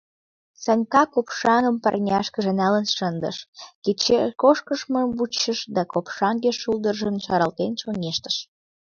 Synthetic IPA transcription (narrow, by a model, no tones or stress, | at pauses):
sɑnʲkɑkopʃɑnəmpə̰rnʲɑʃkəʒə̆nælənʃənd̪ə̰ʃket͡ɕekoʃkəʃməmbut͡ɕːəʃd̪ɑkopʃɑnɡeʃulˠd̪ərʒəmʃɑɾɑlt̪enʃonʲeʃt̪ə̥ʃ